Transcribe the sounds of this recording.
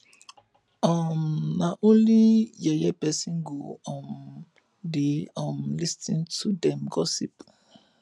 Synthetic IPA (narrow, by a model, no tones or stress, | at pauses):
ɔ̃maʔõnlijɛjɛpɛsĩnɡoɔ̃n | deɔ̃mlistĩntʰudɛ̃mɡɔsip